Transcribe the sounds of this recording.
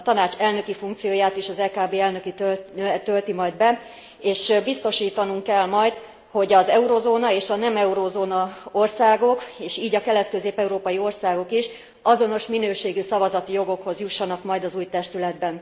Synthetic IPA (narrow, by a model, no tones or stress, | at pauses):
t̪ɒnaːt͡ʃɛlnø̞kifuŋkt̪sijoːjaːt̪iʃɒzɛːkaːbeːɛlnø̞kit̪øt̪ølt̪imɒjd̪bɛ | eːʃbist̪o̞ʃiːt̪ɒnuŋkːɛlmɒjt̪ | ho̞ɟɒzɛuɾozoːnɒeːʃɒnɛmɛuɾoːzoːnɒo̞rsaːɡo̞keːʃiːɟɒkɛlɛt̪køzeːpɛuɾoːpɒjio̞rsaːɡo̞kiʃ | ɒzo̞no̞ʃminøːʃeːɡysɒvɒzɒt̪ijo̞ɡo̞kho̞zjuʃːɒnɒkmɒjd̪ɒzuːjt̪ɛʃt̪ylɛd̪̚bɛn